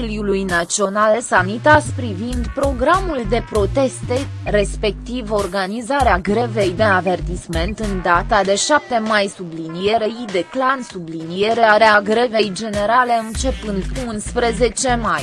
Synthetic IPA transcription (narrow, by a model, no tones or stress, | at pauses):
iljulujnat̪t͡ʃio̞nalesamnit̪aspɾivind̪pɾo̞ɡɾamuld̪e̞pɾo̞t̪e̞st̪e̞ | ɾe̞spe̞k̚t̪ivo̞rɡanizaɾeaɡɾe̞ve̞jd̪eave̞rt̪isme̞nt̪ɨnd̪at̪ad̪e̞ʃap̚t̪e̞majsublinije̞ɾe̞id̪e̞klansublinije̞ɾeaɾeaɡɾe̞ve̞jd͡ʒe̞ne̞ɾale̞ɨnt͡ʃe̞pɨnd̪unspɾe̞ze̞t͡ʃe̞maj